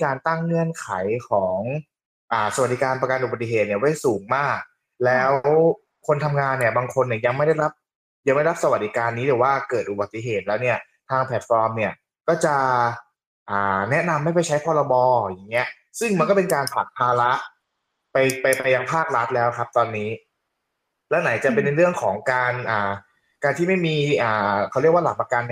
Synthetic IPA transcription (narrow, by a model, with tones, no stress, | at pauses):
kaː˧nt̪a˥˩ŋŋɯ˥˩ənkʰa˩˦jkʰɔː˩˦ŋ | ʔaː˨˩sa˧w̪̚diː˨˦˥kaː˧npɾa˧ka˧nʔu˨˩ba˨˩t̪ːi˨˧ɦeː˨˩t̪̚ni˥˩wa˥˩jsuː˩˦ŋmaː˥˩k̚ | lɛː˦˥ww | kʰo˧nt̪ʰa˧mŋaː˧nːi˥˩ɐbaː˧ŋkʰo˧nːi˥˩ja˧ŋma˥˩jda˥˩jɾa˦˥p̚ | ja˧ŋm˦˥˩ɾa˦˥psa˧wa˨˩t̪̚d̪iː˦˥kaː˧nːiː˦˥d̪ɛː˨˩waː˥˩kɤː˨˩ʔu˨˩ba˨t̪ːi˧ɦeː˨˩t̪̚lɛː˦˥wni˥˩ɐ | t̪ʰaː˧ŋpʰɛ˨˩t̪̚fɔː˧mni˥˩ɐ | kɔː˥˩t͡ɕa˨˩ʔ | ʔaː˨˩nɛ˦˥ʔna˧mːa˥˩jpa˧˩jt͡ɕʰa˦˥jpʰɔː˧ɾa˧bɔː˧˩ja˨˩ŋːi˦˥ɐ | sɯ˥˩ŋma˧nkɔ˥˩pe˧nkaː˧npʰa˨˩t̪̚pʰaː˧la˦˥ʔ | pa˧jpa˧jpa˧jːa˧ŋpʰaː˥˩k̚ɾa˦˥t̪̚lɛː˦˥wkʰa˦˥p̚t̪ɔː˧nːiː˦˥ | lɛː˦˥wna˩˦jt͡ɕa˨˩pe˧nː˧ɾɯ˥˩əŋkʰɔː˩˦ŋkaː˧nʔaː˨˩ | kaː˧nt̪ʰiː˥˩ma˥˩jmiː˧ʔaː˨˩kʰa˥˩ɾi˥˩k̚waː˥˩la˨˩pa˧ka˧nː